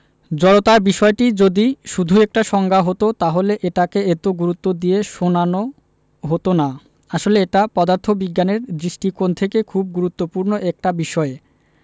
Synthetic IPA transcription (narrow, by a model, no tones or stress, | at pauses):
d͡ʑɔɽot̪aɾbiʃɔeʈid͡ʑod̪iʃud̪ʱuɛk̚ʈaʃɔŋɡʱaɦot̪ot̪aɦoleʔeʈakeet̪oɡuɾut̪ːod̪ieʃonano | ɦot̪ona | aʃoleeʈapɔd̪aɾt̪ʰobiɡːaneɾd̪ɾiʃʈikont̪ʰekekʰub̚ɡuɾut̪ːopuɾnoʔɛk̚ʈabiʃɔe